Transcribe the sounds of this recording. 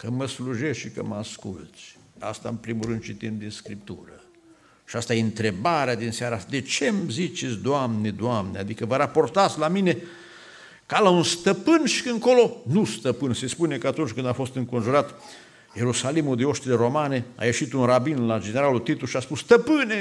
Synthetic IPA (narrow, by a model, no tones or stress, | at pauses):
kəməsluʒesʃikə̰məaskṵlt̪sʲ | a̰st̪aɨmpɾimuɾɨnd̪̚t͡ʃit̪imd̪inskɾip̚t̪uɾə | ʃiast̪ajeɨnt̪ɾe̞baɾead̪inseaɾasd̪e̞t͡ʃe̞mzit͡ʃet̪sʲd̪oamned̪oamnead̪ikəvəɾapo̞rt̪at̪sʲlamine̞ | kalaunst̪əpɨnʃi̥kɨŋko̞lo̞nust̪əpɨnse̞spune̞kəat̪unt͡ʃʲkɨnd̪afo̞st̪ɨŋko̞nʒuɾat̪ | je̞ɾusalimud̪eo̞ʃt̪ile̞ɾo̞mane̞a̰je̞ʃit̪unɾabinlad͡ʒe̞neɾalult̪it̪uʃiaspusst̪əpɨne̞